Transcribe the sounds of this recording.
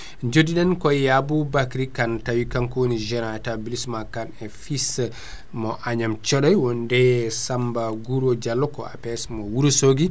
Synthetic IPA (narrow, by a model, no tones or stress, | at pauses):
d͡ʒodiɗankɔjabubakɾikantawikankwonid͡ʒɛnaɛtabilismakanɛfis | mɔʔaɲamt͡ʃɔɗɔjwɔndɛsambaɡuɾɔd͡ʒalːɔkɔ̰a̰pɛsmɔwuɾusoɡi